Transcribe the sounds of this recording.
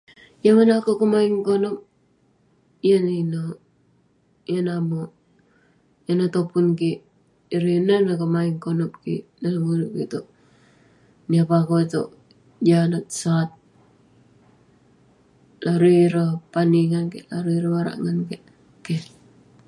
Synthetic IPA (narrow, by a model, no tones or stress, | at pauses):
jamanakokomaiŋkonop̚ | ijanino | janamo | janat̪opunkiː | ɾinanakomaiŋkonop̚kḭnanaɡunukit̪oʔ | niapakot̪o̰ʔ | d͡ʒanat̪̚sat̪̚ | laɾuiɾapaniŋankelaɾuiɾawaɾa̰ʔŋanke | ke